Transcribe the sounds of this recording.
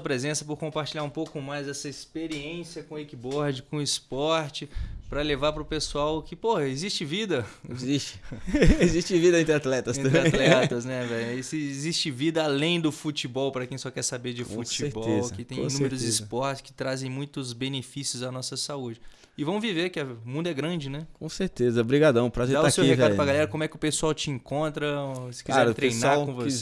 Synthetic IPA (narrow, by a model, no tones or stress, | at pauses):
ɐpɾezẽsɐpʊɾkõmpaɾt͡ʃiʎaɾũpowkʊmajzɛsɐɪspeɾiẽsiɐkõekibɔɾd͡ʒɪkõɪspɔɾt͡ʃɪpɾɐlevaɾpɾʊpesuawkɪpohɐezist͡ʃɪvid̪ɐzist͡ʃɪ̥ezist͡ʃɪvid̪ɐẽt̪ɾat̪lɛt̪ɐsẽt̪ɾɪat̪lɛt̪ɐsnɛvɛjesezist͡ʃɪvid̪ɐalẽj̃d̪ʊfut͡ʃibɔwpɾɐkẽj̃sɔkɛɾsabeɾd͡ʒɪfut͡ʃieɾbɔezkɪt̪ẽj̃nũmeɾʊzɪspɔɾt͡ʃɪskɪ̥t̪ɾazẽj̃mũj̃t̪ʊzbenefisjʊzanɔsɐsaud͡ʒɪ | ɪvɐ̃w̃viveɾkɪɐmũd̪ʊɛɡɾɐ̃d͡ʒɪnɛkõseɾt̪ezɐbɾiɡad̪ɐ̃w̃pɾɐʒẽd̪aʊasewihekvadʊpɾɐɡalɛɾɐkõmʊɛkɪʊpesuawt͡ʃɪẽŋkõnt̪ɾɐsɪ̥kizaɛɾt̪ɾejnaɾwkõvoss